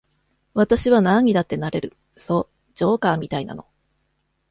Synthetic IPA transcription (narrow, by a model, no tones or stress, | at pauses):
βat̪aɕiβanãɲ̟id̪at̪ːe̞naɾe̞ɾɯ̟ | so̞ | d͡ʑo̞ːkaːmʲit̪aina̰no̞